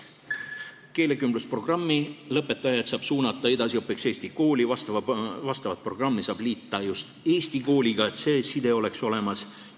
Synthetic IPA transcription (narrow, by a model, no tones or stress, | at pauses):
ke̞ːle̞kymbluspro̞ɡ̥rɑmːilɤ̞pːˑe̞t̪ːˑɑjɑt̪sɑːb̥suːnɑt̪ˑːɑe̞d̪ɑsiopːˑekse̞ːsʲt̪iko̞ːlivɑst̪vɑst̪ɑvɑt̪̚pro̞ɡ̥rɑmːisɑːb̥liːt̪ːˑɑjust̪eːst̪iko̞ːlʲiɡ̥ɑe̞t̪ˑseːsid̪e̞o̞le̞kso̞le̞mɑs